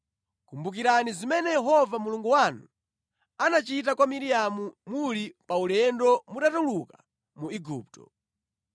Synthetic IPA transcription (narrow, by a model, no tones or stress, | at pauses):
kumbuk̬iɾanizimɛnɛjɛɦɔvamuluŋɡuwanu | anat͡ʃit̬akwamiɾijamumulipaulɛndɔmuɗatuluka | muiɡuːp̚tɔ̰